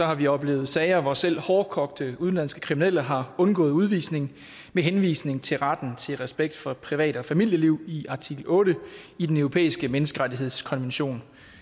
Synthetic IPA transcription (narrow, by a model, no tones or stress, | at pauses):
sɒ̽hɑ̈ʋiɒ̽b̥le̝̰ːʊð̩ˠsɛɪɐʋɒsel̰hɒːkʰɒ̽ɡ̥d̥əuð̞ˠnlæn̰sɡ̥ə̥kʰʁiminel̰əɦɑ̈ɔ̽nɡ̥ɔ̽ːð̞̩ˠuð̞ˠʋḭːsne̝ŋ | meɦenʋḭːsne̝ŋt͡sʰe̝lʁad̥n̩t͡sʰe̝lʁɛsb̥eɡ̥̚d̥fɒ̽pʰʁiʋɛ̰ːɾ̥əɒ̽fæmil̰jəliʊ̰iʔɑ̈t͡sʰiɡ̥l̩ɔ̽ːɾ̥əid̥enøʊʁo̝pʰḛːisɡ̥əmenəsɡ̥əʁadiɦe̝ð̰ˠskʰɒ̽nʋenɕo̝̰ːn